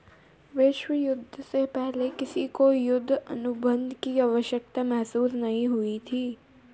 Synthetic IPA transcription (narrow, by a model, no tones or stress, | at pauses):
ʋɪːʃʋəjʊd̪ʱːsepɛɦlekɪsikojʊd̪ʱːə̰nʊbə̃nd̪ʱkiɐʋəʃjək̚t̪amɛɦsuːsnɐɦĩɦʊit̪ʰiː